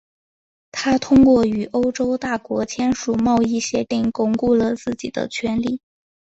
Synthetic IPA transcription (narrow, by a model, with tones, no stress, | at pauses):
t̪ʰa˥t̪ʰʊ˥ŋkwɔ˥˩y˨˩ʔo˥ʊʈ͡ʂo˥ʊt̪a˥˩kwɔ˧˥t͡ɕʰjɛ˥nʂu˨˩mɑ˥˧ʊi˥˩ɕjɛ˧˥t̪i˥˩ŋkʊ˥˩ŋku˥˩lə˩t͡sɹ̩˥˩t͡ɕi˨˩d̪ə̰˦t͡ɕʰɥɛ˧˥nli˥˩˦